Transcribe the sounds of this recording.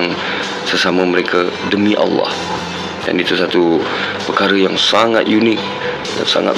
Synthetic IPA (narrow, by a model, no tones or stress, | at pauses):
ŋ | səsaməməɾekʰadəmĩʔɑ̰lːɑ̰h | da̰nit̪usat̪u | pəkaɾəjaŋsaŋa̰t̪̚junɪk̚ | da̰sa̰ŋa̰t̪̚